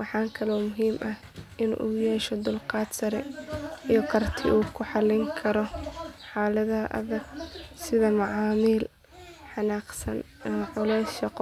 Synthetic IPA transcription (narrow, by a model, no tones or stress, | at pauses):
wɑħɑːŋkʰɐlɔːmʊɦiːmʔɐh | ʔɪnṵːjɛːʃɔd̪ʊlqɑːd̪sɐɾɛijɔkʰɐrt̪ʰɪʔuːkʰʊħɑlːɪŋkʰɐɾɔħɑːlɐðɐʔɐ̰ðɐɡsɪðɐmɑʕɑːmiːl | ħɑnaːqsɐn | mʕʊlɛjsʃɑqɔ